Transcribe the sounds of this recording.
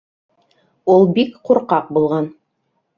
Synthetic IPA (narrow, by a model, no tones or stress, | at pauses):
ulˠbikquɾqɑq̚bulˠʁɑn